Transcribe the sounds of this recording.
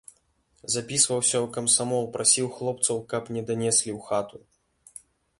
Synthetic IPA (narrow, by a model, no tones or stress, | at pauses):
zapʲisvɐwsʲɐwkɐmsamɔlˠpɾʔasʲiwxlˠɔp̚t̪sɐwkɐpnʲɛd̪anʲɛsʲlʲiwxat̪u